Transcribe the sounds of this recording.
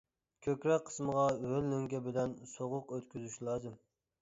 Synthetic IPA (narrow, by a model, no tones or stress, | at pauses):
kʲʰøkʲɾɛkqʰːə̥sməʁɑwølːyŋɡʲɛbɪlɛnsoʁʊqøt̪kʲʰyzyʃlˠɑːzɨm